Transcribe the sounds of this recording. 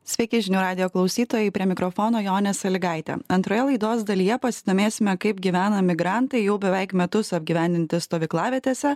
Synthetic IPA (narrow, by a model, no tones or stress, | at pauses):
sʲʋʲɛɪkʲɪʒʲɪnʲuːɾɑːd̪ʲɪjoːklˠɐʊsʲiːt̪oːjɛɪpʲɾʲiɛmʲɪkɾɔfoːnoːjoːnʲɛsɐlʲɪɡɑˑɪt̪ʲɛ̰ɐnt̪ɾoːjɛlˠɐɪd̪oːsd̪ɐlʲijɛpɐsʲɪd̪oːmʲeːsʲɪmʲɛkɐɪpɡʲiːʋʲæːnɐmʲɪɡɾɑˑnt̪ɐɪjɛʊbʲɛʋʲɛɪkmʲɛt̪ʊsɐbʲɡʲiːʋʲæˑnʲd̪ʲɪnʲt̪ʲɪst̪oːʋʲiklˠɑːʋʲiɛt̪ʲeːsʲɛ